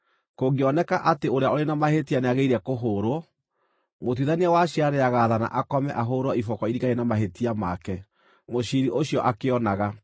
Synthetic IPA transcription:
koːɡeɔnɛkaʔateoɾeaoɾenamahetianeaɣeiɾɛkoɦoɾɔ | mot̬iðaniawaɕiaɾeaɣaːðana̰ʔakɔmɛ̰ʔaɦoɾwɔifɔkɔiɾiɣaenamaɦetiamakɛ | moʃiɾiʔoɕjɔʔakeɔnaɣa

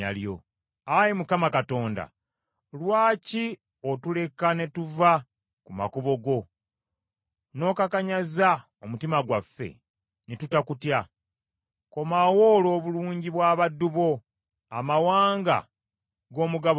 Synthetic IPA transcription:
a̰ljo̞̰ | ajimukamakato̞ːnda̰ | lwaːci | otule̞kane̞tuva | kuma̰koβo̞ɡo̞ | no̞kakaɲaza | omutimaɡwafːe̞̰ | netutakutja | ko̞mawo̞ːlo̞ːβuluːɲɟiβwaːβadːuβo̞ | amawaːŋɡa̰ | ɡo̞ːmuɡa

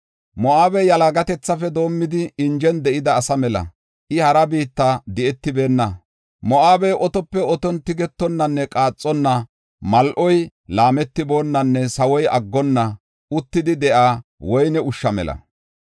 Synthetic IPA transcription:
mɔʔaːbɛjɐlaɡɐt̪ɛt͡sːɐfɛd̪o̞ːmːɪd̪ɪɪnd͡ʒɛnd̪ɛʔɪd̪ɐːsɐmɛlɐ̰ | ʔɪhɐɾɐbiːt̪ːad̪ɛɛt̪ːɪbe̞ːnːɐ | mɔʔaːbɛʔɔt̪ɔpːɛɔt̪ɔnt̪ɪɡɛt̪ːɔnːɐnːɛkʼaːt͡sʼːɔnːɐ | mɐlʔɔj | laːmɛt̪ːɪbo̞ːnːɐnːɛsɐwɔjɐɡːɔnːɐ | ʔʊt̪ːɪd̪ɪd̪ɛʔaːwɔjnɛʊʃːɐmɛ̰lɐ̰

